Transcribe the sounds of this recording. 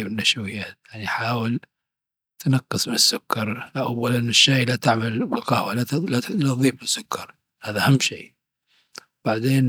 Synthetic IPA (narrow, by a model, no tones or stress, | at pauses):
bɪnːaʃwɪjːaːt̪jaʕniħaːwɪl | t̪nɑqːɨsˤmɪnɪsːʊkʰːɑɾˤʔawːalanːɪʃːeːlat̪aʕmalbɪlqɑhwalalalaðˤiːbɪsːʊkʰːɑɾˤ | haːðaʔhamːʃiː | b̥aʕd̪eːn